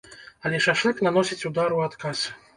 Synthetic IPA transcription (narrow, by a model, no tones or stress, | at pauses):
alʲɛʂaʂɨknanɔsʲit͡sʲud̪aɾuat̪kasʲ